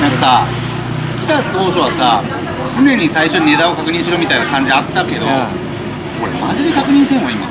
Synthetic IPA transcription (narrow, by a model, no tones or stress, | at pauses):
nãŋkasa | kʲi̥t̪at̪o̞ːɕo̞βasa | t͡sɨnẽ̞ɲ̟ːisaiɕo̞ɲne̞t̪aokakɯ̟ɲ̟ĩɕiɾomʲit̪ainakãɲ̟d͡ʑiat̪ːake̞d̪o̞̰ | ko̞ɾemaʑid̪ekakɯ̟ɲ̟ĩñt̪ẽβaima̰